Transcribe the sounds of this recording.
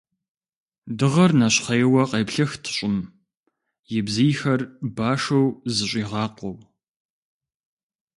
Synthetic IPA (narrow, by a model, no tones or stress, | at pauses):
dɨʁɐrnɐɕχɐjwɐqeːpɬɐxtʰɨ̥ɕʼɪm | jɪbzijxɐrbaːʂɐwzɨɕʷʼiːʁɑːqʷɔw